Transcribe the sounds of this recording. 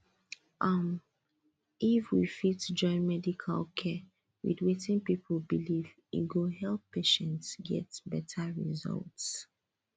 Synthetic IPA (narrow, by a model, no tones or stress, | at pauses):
ʔam | ifwifitd͡ʒɔ̃ɪ̃nmɛdikʰa̰lˠkʰɛ | wḭdwetĩnpipʰl̩ˠbiliv | ḭɡohɛlˠpːeʃɛ̃ntsɡɛ̰tbɛtʰaɹḭzʌ̰lts